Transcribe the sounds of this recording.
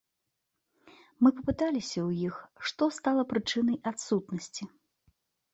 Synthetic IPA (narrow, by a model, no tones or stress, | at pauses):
mɨpɐpɨt̪alʲisʲɐwjixʂt̪ɔst̪alˠɐpɾɨt͡ʂɨnɐjat̪sut̪nɐsʲt͡sʲi